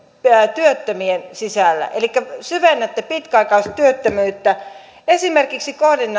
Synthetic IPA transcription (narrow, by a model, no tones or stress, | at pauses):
æt̪yøt̪ːømiensisælːæ̰ʔelikːæsyʋenːæt̪ːæpit̪kæɑikɑosʲt̪yøt̪ːømyːt̪ːæ | esimerkiksikohdinːɑ